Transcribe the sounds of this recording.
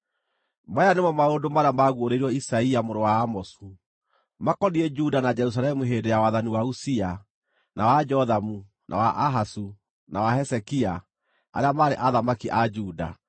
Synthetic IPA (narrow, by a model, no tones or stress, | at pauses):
majanemɔmaondomaɾeamaɣwoɾeiɾɔisaiamoɾowaːmɔsu | makɔniɛd͡ʒudanad͡ʒɛɾus̬alɛmuɦendejawaðaniwausia | nʔawad͡ʒɔðamu | nʔa̰waʔaɦasu | nawahɛsɛkia | a̰ɾeamaːɾeʔaðamakiʔad͡ʒuːda̰